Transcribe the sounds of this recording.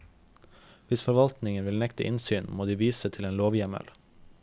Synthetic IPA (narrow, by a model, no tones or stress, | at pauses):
ʋɪsfɔɾʋɑlt̪nɪŋənʋɪlnɛkt̪ə̰ʔɪnsyːnmoːd̪iːʋiːsət̪ʰɪleːnloːʋjɛmə̰l